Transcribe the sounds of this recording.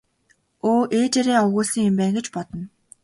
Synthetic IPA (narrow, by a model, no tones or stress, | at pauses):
oːʔeːt͡ɕeɾeːɔwɣʊːsĭŋempæːŋɡĕt͡ɕpɔt̪ɞ̆n